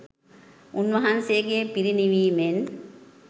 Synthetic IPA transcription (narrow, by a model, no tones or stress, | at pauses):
unʋɐɦɐnseːɡeːpiɾiniʋiːmen